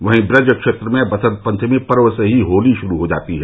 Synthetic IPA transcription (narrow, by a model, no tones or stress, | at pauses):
ʋɐɦĩbɾɐd͡ʒəkʃeːt̪ɾəmẽbɐsə̃t̪̚pə̃ɲt͡ʃʰmĩpɐɾʋəseɦiɦoːliʃʊɾuɦod͡ʒa̰ːt̪iɦɛ